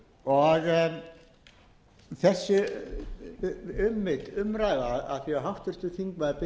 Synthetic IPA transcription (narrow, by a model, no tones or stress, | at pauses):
ɔɣ | θɛsːʏ | ʏmːɪt̪ʏmɾaːjðaða̰ðθiaɦaft̪ʏr̥t̪ʏθiŋkvaðpɪ